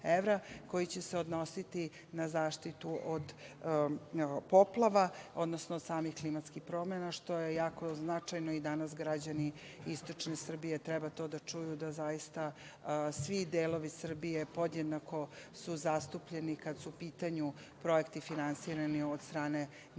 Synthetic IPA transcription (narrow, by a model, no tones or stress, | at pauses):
eʋɾako̞jit͡ɕeseod̪no̞sit̪i | nazaːʃt̪it̪uʔod̪ | po̞plˠaʋaod̪nosnoːd̪saːmixklimat̪skixpɾo̞menaʃt̪o̞je̞jaːko̞znat͡ʂajnoid̪anas̬ɡɾad͡ʑani | ist̪o̞t͡ʂne̞sr̩bije̞t̪ɾɛbat̪o̞ːd̪at͡ʂujud̪azajist̪a | sʋid̪eːlˠo̞ʋisr̩bijepod̪ɲed̪nako̞suzast̪upʎenikad̪supiːt̪aɲu | pɾo̞jekt̪ifinansiːɾaniod̪st̪ɾaːne̞